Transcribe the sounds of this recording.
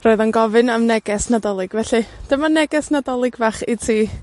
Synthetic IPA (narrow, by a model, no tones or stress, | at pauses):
roːɨðanɡɔvɨnamnɛɡɛsnadɔlˠɨɡ̥vɛɬid̥əmanɛɡɛsnadɔlˠɪɡvaχitʰiː